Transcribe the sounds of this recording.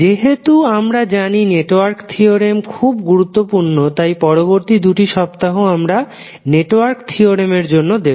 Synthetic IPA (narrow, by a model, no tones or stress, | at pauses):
d͡ʑeɦet̪uamɾad͡ʑanineʈoaɾkt̪ʰioɾemkʰubɡuɾut̪ːopuɾnot̪ajpɔɾoboɾt̪id̪uʈiʃɔpt̪aɦoamɾa | neʈowaɾkt̪ʰioɾemeɾd͡ʑonːod̪ebo